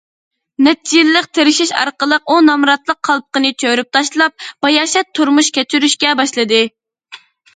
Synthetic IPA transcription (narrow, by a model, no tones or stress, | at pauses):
nɛt̪t͡ʃilːəq̚t̪ʰeɾɪʃiʃɑ̰ɾqəlˠəqunɑmɾɑt̪lˠəqʰːɑlˠp̚qənɨt͡ʃʰøɾyp̚t̪ʰɑʃlˠɑp̚b̥ɑjɑːʃɛt̪ʰːuɾmuʃkʲɛt͡ʃʰyɾyʃkʲɛbɑʃlˠɨd̪ɨ